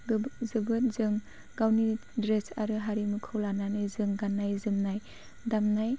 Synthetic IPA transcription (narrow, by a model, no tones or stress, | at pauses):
zɯbɯt̚zɯŋ | ɡawnidɾesa̰ɾɯɦaɾimɯkʰɯwlananɯjzɯŋɡanːajzɯmnaj | damnaj